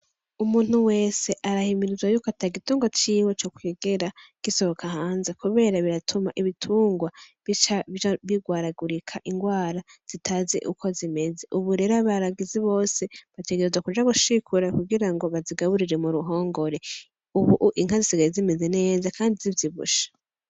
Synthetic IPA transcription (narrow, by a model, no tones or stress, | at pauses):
umuːn̥huwe̞ːse̞ʔaɾahimiɾizwajukoataɡituːŋɡwat͡ʃiːwe̞t͡ʃokweɡe̞ɾaɡ̥iso̞βokʰahaːnzekuβe̞ːɾaβiɾatʰumaʔiβitʰuːŋɡwaβit͡ʃaβiɡwaːɾaɡuɾikʰaʔiŋɡwaːɾaz̥itʰaːze̞̰ʔṵkʰo̞zime̞ze̞ʔuβuɾe̞ɾaβaɾaɡiziβo̞ːse̞βate̞ɡeɾezwakud͡ʒaɡuʃikʰuɾakuɡiɾaŋɡo̞βaziɡaβuɾiɾemuɾuɦo̞ːŋɡo̞ɾe̞ | uβuʔʔiŋ̥hazisiɡajezime̞ze̞ne̞ːzakaːndizivjiβṵʃḁ